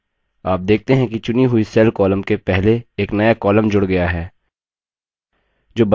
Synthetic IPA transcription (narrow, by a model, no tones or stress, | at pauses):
aːp̚d̪eːk̚ʰt̪eɦɛ̃kit͡ʃʊniɦuisɛːlkɔːləmkepɛɦleːknɐjakɔːləmd͡ʒʊɽɡɐjaɦɛː | d͡ʒoːbɐ